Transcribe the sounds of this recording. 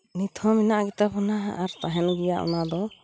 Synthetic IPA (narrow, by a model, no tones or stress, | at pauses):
nit̪ʰɔminaʔɡɛt̪apʰɔnaʔaɾt̪aɦɛnɡijaʔṵnad̪ɔ